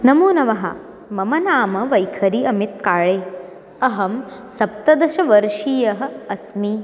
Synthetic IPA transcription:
nɐmoːnɐʋɐɦɐ̰ | mɐmɐnaːmɐʋɐjkʰɐɾiɐmit̪̚kaːɭeː | ɐɦɐm | sɐp̚t̪ɐd̪ɐʃɐʋɐɾʃiːjɐɦɐ̆ːsmi

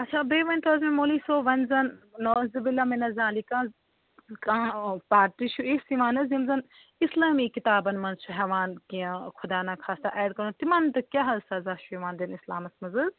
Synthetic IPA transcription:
ɐt͡ʃʰaːbeːʋɐnʲt̪oːzmĩmoːliːsoːʋɐnzɐnːoːzibilɐmɐnɐzaːlikãːz | kãːpaːɾt̪iʃʰuesiʋaːnɐzimzɐn | ɪslaːmikit̪aːbɐnmɐnzt͡ʃʰuɦɛʋaːnkiɐ̃kʰʊd̪aːnakʰaːst̪aʔɛːɖkɐɾũt̪imɐːnt̪ɨkʲjaɦɐlsɐzaʃuiʋaːnd̪inislaːmɐsmɐzɐz

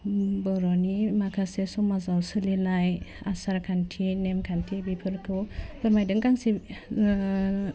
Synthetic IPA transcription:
bɯɾɔnimakʰasesɔmazawsɯlinajasaɾkʰantʰinɛmkʰantʰibipʰɯlkʰɯwbɯɾmajdɯŋkaŋsi

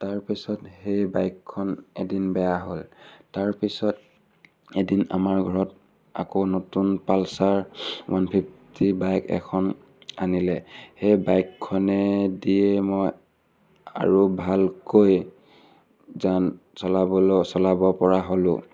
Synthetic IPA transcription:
taɹpisɔthejbajkʰːɔnedinbɛjaɦoltaɹpisɔt̚ | edina̰maɹɡʱɔɹɔt̚ | a̰konotunpalsaɹwanpʰiptʰibajkɛ̰kʰɔn | anilɛhejbajkʰːɔnɛdiɛmɔj | a̰ɹubʱalkoj | zan | sɔlabɔlsɔlabɔpɔɹaɦolʊ̃

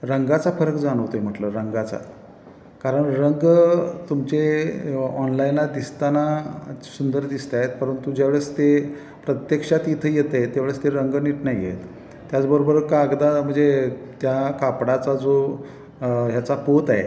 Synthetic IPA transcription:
ɾəŋɡat͡safəɾəkd͡zaɽ̃əʋt̪oem̤əʈləɾəŋɡat͡sa̰ | kaɾəɳɾəŋɡt̪umt͡ɕe | ɔnlajinlad̪ist̪anasund̪əɾd̪ist̪aɦet̪̚pəɾənt̪ud͡ʑaʋɭəst̪e | pɾət̪jekʂat̪it̪ʰəjet̪et̪eʋeɭəst̪eɾəŋɡniʈnajɡʱḛt̪ː | jat͡sbəɾobəɾkaːɡd̪am̤əɳd͡zet̪jakapɽat͡sad͡zo | ɦjat͡sapot̪ae

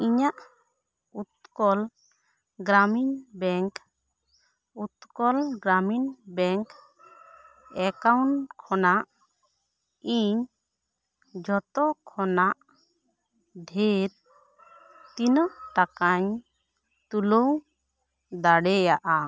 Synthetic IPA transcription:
iɲaʔ | ut̪̚kɔl | ɡɾaminbɛŋk | ut̪kɔlɡɾaminbɛŋk | ɛkawɳʈkʰɔnaʔ | iɲ | d͡ʒʱɔt̪ɔkʰɔnaʔ | ɖ̪ʱeɾ | t̪inəʈakaɲ | t̪ulow | d̪aɽɛjaʔa

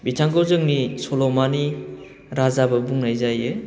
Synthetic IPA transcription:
bitʰaŋkawzɯŋnisolɔmani | ɾazabɐbuŋnajzajɯ

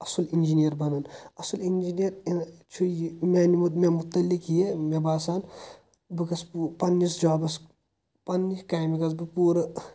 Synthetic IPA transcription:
ɐsulind͡ʒinijɐɾbɐnɐnɐsulind͡ʒinijɐɾent͡ʃʰujimʲaːnimut̪memut̪ːɐlːikjemebaːsaːn | bɨkɐspupɐnːisd͡ʒaːbɐs | pɐnːiskaːjmikɐsbɨpuːɾɐ

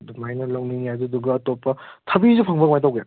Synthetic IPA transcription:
dumajnɐlɔŋniŋjaduduɡɐːtopːɐtʰɐbizupʰaŋbɐɡmajtawɡja

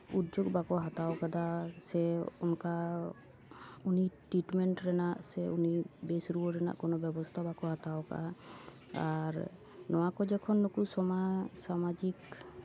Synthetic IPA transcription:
ut̪d͡ʒoɡbakɔɦat̪awkad̪asɛɔnka | uniʈɾiʈmɛɳʈɾɛnaʔsɛunibesɾuɔɾɛna̰ʔkɔnɔbjɛbɔst̪ʰabakɔɦat̪awka̰ʔa | aɾ | nɔwakɔd͡ʒɛkʰɔnːukusɔmasamad͡ʒik

